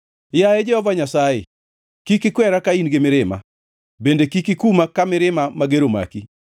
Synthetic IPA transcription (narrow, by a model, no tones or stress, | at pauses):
jaɛd͡ʒɛhɔvaɲasajḛ | kikikwɛɾakainɡɪmɪɾɪma̰ | bendekikikumakamɪɾɪmamaɡeɾoma̰ki